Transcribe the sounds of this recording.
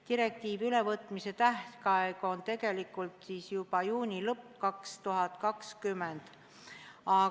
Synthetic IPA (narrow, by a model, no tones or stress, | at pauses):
t̪iɾe̞k̚t̪iːvyle̞vɤt̪ːˑmise̞t̪æht̪kɑeɡ̥o̞nt̪e̞ɡe̞likːˑult̪siːsjubɑjuːnʲilɤpːkɑkst̪uɦɑt̪kɑkskymːend̪̥ | ɑ